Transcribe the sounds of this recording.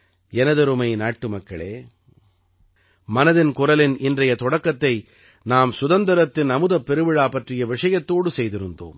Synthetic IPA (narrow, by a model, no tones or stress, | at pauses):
ɛnɐðɯɾɯmɐɪnaːʈːɯmɐkːɐɭḛː | mɐnɐðɪnkʊɾɐlɪnʔɪndrɐjɐt̪ɔɽɐkːɐt̪ːɐɪ | naːmsʊðɐnd̪ɐɾɐt̪ːɪnɐmɯðɐpːɛɾɯʋɪɻaːpɐʈrɪjɐʋɪʂɐjɐt̪ːoːɽɯsɛjðɪɾɯnd̪o̰ːm